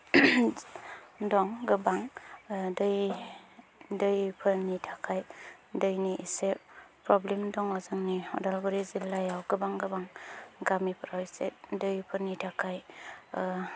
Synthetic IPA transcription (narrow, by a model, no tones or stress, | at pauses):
dɔŋɡɯbaŋdɯj | dɯjpʰɯɾnitʰakʰaj | dɯjniʔisep̚pɾɔblemdɔŋɔzɯŋniɔ̰dalbɯɾizilːajawɡɯbaŋɡɯbaŋɡamipʰɯɾawset̚dɯjpʰɯɾnitʰakʰaj